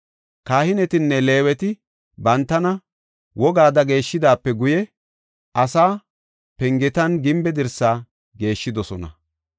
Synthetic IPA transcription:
kaːhɪnɛt̪ɪnːɛle̞ːwɛt̪ɪ | bɐnt̪ːɐnɐ | wɔɡaːd̪ɐɡe̞ːʃːɪd̪aːpːɛɡʊjɛ | ɐsaː | pɛŋɡɛt̪ɐnɡɪmbɛd̪ɛɾsaː | ɡe̞ːʃːɪd̪ɔsɔnɐ̰

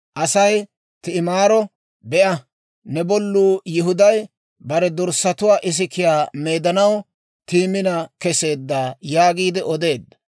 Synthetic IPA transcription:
ʔɐsɐj | t̪ɪɪmaːɾɔ | bɛʔɐ | nɛbɔlːuːjɪɦʊd̪ɐj | bɐɾɛd̪ɔɾsɐt̪ʊwaːʔɪs̬ɪkɪjaːmeːd̪ɐnɐw | t̪iːmɪnɐkɛse̞ːd̪ːaːjaːɡiːd̪ɪʔɔd̪e̞ːd̪ːɐ̥

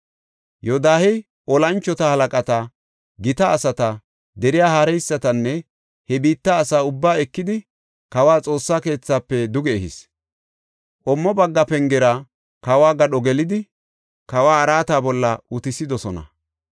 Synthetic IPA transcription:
jɔd̪aːhɛ | ʔɔlɐnt͡ʃːɔt̪ɐhɐlɐkʼɐt̪ɐ | ɡɪt̪ɐːsɐt̪ɐ | d̪ɛɾɪjaːhaːɾɛjsːɐt̪ɐnːɛ | hɛbiːt̪ːɐːsaːʊbːaːɛkːɪd̪ɪ | kɐwaːt͡sʼo̞ːsːaːke̞ːt͡sːaːpːɛd̪ʊɡɛːhɪs | ʔɔmːɔbɐɡːɐpɛŋɡɛɾɐ | kɐwaːɡɐɗɔɡɛlɪd̪ɪ | kɐwaːɐɾaːt̪aːbɔlːɐʊt̪ɪsɪd̪ɔsɔnɐ̰

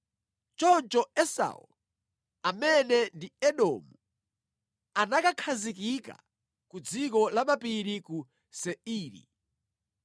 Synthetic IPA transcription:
t͡ʃɔnt͡ʃɔɛsa̰ṵl | amɛnɛndiɛɗɔ̰ːmu | anakakʰazikika̰ | kud͡zikɔlaɓapiɾiku | sɛiːɾḭ

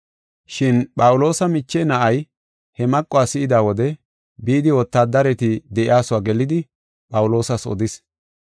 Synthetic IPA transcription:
ʃɪnpʼɐwʊlo̞ːsɐmɪt͡ʃːɛnɐʔɐj | hɛmɐkʼːʊaːsɪʔɪd̪aːwɔd̪ɛ | biːd̪ɪwɔt̪ːaːd̪ɐɾɛt̪ɪd̪ɛʔɪaːsʊwaːɡɛlɪd̪ɪ | pʼɐwʊlo̞ːsɐsɔ̰d̪ɪs

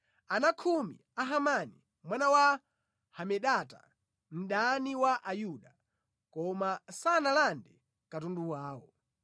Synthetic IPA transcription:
anakʰumḭ | aɦamani | mwanawa | hamɛɗata̰ | m̩ɗaniwaʔajuɗa | kɔmasanalandɛ | katunduwaːwɔ

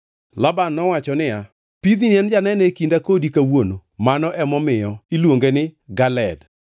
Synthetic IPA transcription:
labanːɔwat͡ʃɔnɪja | piðinɛnd͡ʒanɛnekindakodikawonomanɔʔɛmɔmɪjɔilwoŋɡenɪɡalɛd

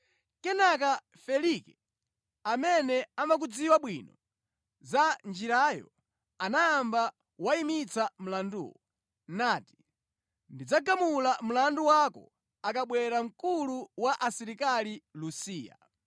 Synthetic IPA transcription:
kɛnak̬a | fɛlikɛ | amɛnɛamak̬ud͡ziwaɓwinɔ | zand͡ʒiɾajɔ̰ | anaːmba | waimit͡sam̩landṵːwɔ | nati̥ | ndid͡zaɡamulam̩landuwakɔ̰ | akaɓwɛɾam̩kuluwaʔasiɾikalilusiːja̰

